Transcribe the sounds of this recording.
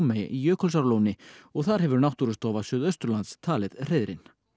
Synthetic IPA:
mej̰ijœːkʰɔls̬aɾlownɪɔɣθaɾhɛvʏɾnawht̪uɾʏst̪ɔːvasʏðœɥst̪ɾʏlant̪st̪ʰaːlɪðr̥eːjðɾɪ̰n

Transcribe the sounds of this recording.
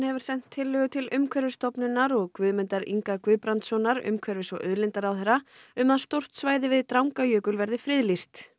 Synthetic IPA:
nhɛvʏɾ̥sɛn̥t̪ʰːɪlːʏɣʏt̪ʰɪlʏmkʰvɛɾvɪst̪ɔpnʏnaɾɔɣkvʏːðmʏnt̪aɾḭŋkakvʏːðpɾant̪sɔnaɾʏ̰mkʰvɛɾvɪsɔʔœðlɪnt̪aɾawθɛrːaʏmaðst̪owr̥t̪svaːjðɪvɪðt̪ɾawŋkajœːkʏlvɛɾðɪfɾɪðlist̪

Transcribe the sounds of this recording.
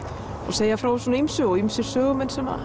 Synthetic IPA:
ɔ̰ɣseːjafɾaws̬ɔnaimsʏɔimsɪɾ̥sœːɣʏmɛnsɛma̰

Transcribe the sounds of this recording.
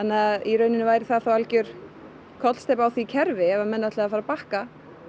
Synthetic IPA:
anːɪaðiɾœːɥnɪnɪvaːjɾɪθaðθawalcʏɾ̥ | kʰɔt̪lst̪epawθvicʰɛɾvɪɛvamɛnːaɛt̪lafaːɾapahka

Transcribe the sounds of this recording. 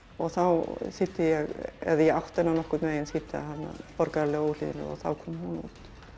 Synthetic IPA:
ɔɣθawsɪt̪ːɪjɛɣɛ̰ðjɛawht̪ɛnːanɔhkʏɾt̪meːjɪnsɪt̪ːɪa̰hanna̰pɔɾkaɾalɛɣoːwl̥ḭðɪnːɪ̰ɔ̰ɣθa̰wkʰɔːmhunṵːt̪

